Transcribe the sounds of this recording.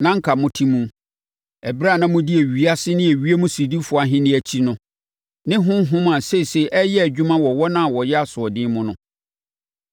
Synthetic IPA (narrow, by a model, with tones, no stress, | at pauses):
nã˦ŋ̩˦kʰa˨mʊ̃˦tʰĩ˦mũ˨ | ɛ˨bɾa˦˨nã˦mʊ̃˦di˦e˨ɥi˦a˦sɪ˦nɪ̃˦e˨ɥi˦e˦mũ˦si˨di˦fʊ˨a˨ɦɪ̃˦nɪ̃˦æ˨t͡ɕʰi˦nʊ̃˦ | nɪ̃˦ɦʊ̃˦ɦʊ̃˦mã˨se˦˨se˦˨ʔɛ˦jɛ˦æ˨d͡ʑᶣu˦mã˦wɔ˨wɔ˦nã˦˨wɔ˨jɛ˦a˨sʊ˨ɔ˨dɪ̃˦mʊ̃˦nʊ̰̃˦